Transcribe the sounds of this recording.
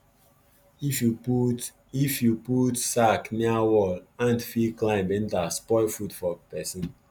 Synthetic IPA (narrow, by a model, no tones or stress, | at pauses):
fjuu | ifjuputsakniawɔlãndfiklãɪ̃mbɛ̃ntaspɔɪfutfɔpɛsĩn